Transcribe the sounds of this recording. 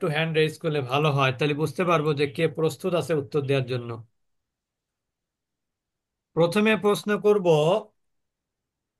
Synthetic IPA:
ʈuɦɛɳɖɾejskulebʱaloɦɔet̪ajlebud͡ʑʱt̪epaɾbod͡ʑekepɾost̪ut̪at͡ɕʰeut̪ːoɾd̪eaɾd͡ʑonːo | pɾot̪ʰomepɾosnokoɾbo

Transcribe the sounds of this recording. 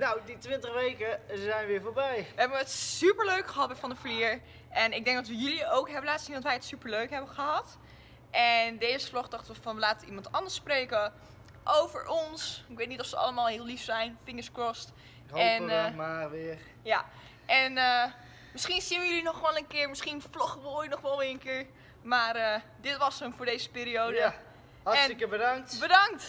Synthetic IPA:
nawditʋɪntəχʋejkəzɛjnʋɪːɹfoːɹbɛjʋəɦɛbəətsypəɹløɥkχəɦɑt̚bɛfɑndəfəliːɹ | ʔɛnɪɡ̚dɛŋ̚dɑtʋəjʏliowkɦɛbəlaːtssinɑtʋɛjətsypəɹløɥkɦɛbəχəɦɑt | ʔɛndejzəflɔχdɑχtəʋəfɑnʋəlaːtəimɑntɑndəɹsprejkə | ʔowvəɹʔɔnsɪkʋejtnitɔfsəʔɑ̰ləmaːlˠɦɪːlˠlifsɛjnfɪŋəskrɔst | ɛmaːʋɪɹ | ja | ʔɛnə | mɪsχinsinəjəlinɔχʋɛlənkɪːɹmɪsχinflɔχʋoːjnɔχʋɛlˠʋɪənkɪːɹ | maːrədɪtʋɑsənfʊːɹdejzəpɪːɾiowdə | ɦɛsnɪkəbədɑŋtbədɑŋkt

